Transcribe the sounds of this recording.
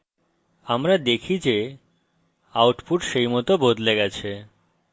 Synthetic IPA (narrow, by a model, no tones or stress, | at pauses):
amɾad̪ekʰid͡ʑe | awʈpuʈʃejmɔt̪obod̪leɡat͡ɕʰe